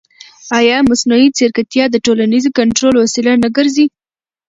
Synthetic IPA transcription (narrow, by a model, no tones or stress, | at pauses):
ɑjɑmʊsnoit͡seɾkat̪jɑd̪əʈolanizokaɳʈɾolwasɪlanaɡəɾzi